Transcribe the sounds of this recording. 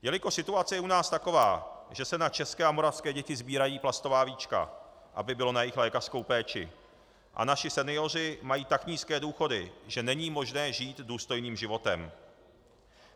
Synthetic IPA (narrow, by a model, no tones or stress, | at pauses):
jɛlɪko̞sɪt̪uat͡sɛjɛʔunaːst̪ako̞va̰ːʒ̥ɛsɛnat͡ʃɛskɛːʔamo̞ɾafskɛːɟɛcɪzbiːɾajiːplast̪o̞vaːviːt͡ʃka̰ | ʔa̰bɪbɪlo̞najɪxlɛːkar̥sko̞wpɛːt͡ʃɪ̰ | ʔa̰naʃɪsɛnɪjo̞r̝ɪmajiːt̪akɲiːskɛːduːxo̞dɪʒɛnɛɲiːmo̞ʒnɛːʒiːt̪duːst̪o̞jniːmʒɪvo̞t̪ɛ̰m